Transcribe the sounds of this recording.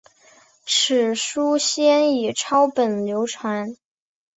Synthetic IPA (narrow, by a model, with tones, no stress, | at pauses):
ʈ͡ʂ̩ʰ˨˩ʂu˥ɕjɛ˥ni˨˩ʈ͡ʂʰɑ˥ʊpə˨˩nljo˧˥ʊʈ͡ʂʰwa˧˥n